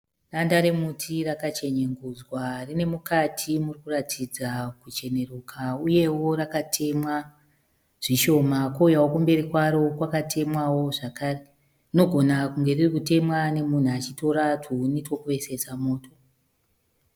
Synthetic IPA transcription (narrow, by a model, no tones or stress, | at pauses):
randaɾe̞mutʰirakat͡ʃe̞ɲeŋɡuzwarine̞mukatʰimurikuratʰid͡zakut͡ʃe̞ne̞rukʰauje̞wo̞ɾakatʰe̞mwa | ʐ̥iʃo̞makoujawokumbe̞ɾikwaɾo̞kwakatʰe̞mwawo̞ʐakaːre | rino̞ɡʱo̞nakuŋɡe̞ririkute̞mwane̞mun̤uat͡ʃito̞ɾatʰunitokuʋe̞se̞samo̞ːtʰo̞